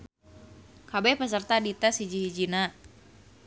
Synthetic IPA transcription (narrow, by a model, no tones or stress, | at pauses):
kabɛhpəs̬ərt̪adit̪asid͡ʒihid͡ʒina